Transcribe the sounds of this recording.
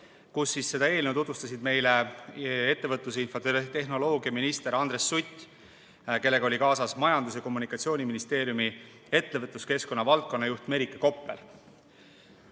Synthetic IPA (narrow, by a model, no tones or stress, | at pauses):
kusːisːe̞d̪ɑe̞ːlnewt̪ut̪vust̪ɑsid̪̥me̞jlee̞t̪ːe̞vɤt̪lus̬einfot̪e̞ɦno̞lo̞ːɡiɑminist̪e̞ɾɑnd̪̥ɾe̞sːut̪ʲː | ke̞lːe̞ɡɑo̞lʲikɑːsɑsmɑjɑnd̪̥us̬jɑko̞mːunikːˑɑt̪sio̞ːnʲiminist̪e̞ːɾjumi | e̞t̪ːe̞vɤt̪ˑluske̞sko̞nːɑvɑlt̪̚ko̞nːɑjuht̪me̞ɾikːˑɑko̞pˑːḛl